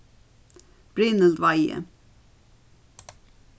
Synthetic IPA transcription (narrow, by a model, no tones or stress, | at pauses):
b̥ɹɪnəld̪ʋɑɪə̰